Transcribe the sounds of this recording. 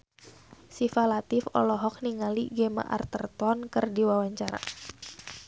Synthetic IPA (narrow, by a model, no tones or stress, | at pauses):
sifalat̪ɪfɔ̰lɔɦɔk̚niŋaliɡɛma̰ʔa̰rt̪ərt̪ɔnkərdiwawaɲt͡ʃaɾa̰